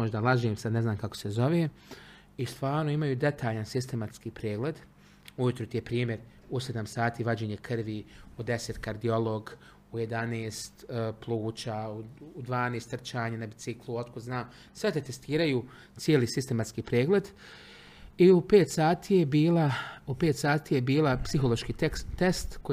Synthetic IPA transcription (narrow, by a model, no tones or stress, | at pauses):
moʒd̪alˠaʒeːmsad̪ne̞znaːmkako̞̥sezo̞ʋeː | ist̪ʋaːɾno̞imajuːd̪e̞t̪ʰaːʎansist̪emat̪skiːpɾeːɡle̞d̪ | ujut̪ɾot̪jepɾiːmje̞ɾ | used̪amsaːt̪iːʋad͡ʑeːɲe̞kʰrʋiud̪e̞se̞t̪kaɾd̪io̞lo̞ɡ | uje̞d̪aneːst̪plˠuːt͡ʃauud̪ʋaːneːst̪r̩t͡ʃaːɲanabit̪sikluo̞t̪kod̪znaːm | sʋet̪et̪est̪iːɾaju | t̪sjeːlisist̪e̞mat̪skiːpɾeːɡle̞d̪ | iupeːt̪saːt̪ʰiːjebiːlaupeːt̪saːt̪iːje̞biːlapsiɦo̞lˠo̞ʃkiːest̪ko